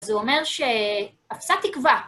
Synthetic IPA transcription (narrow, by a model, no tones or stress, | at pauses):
zuome̞ʁʃe | afsat̪ikva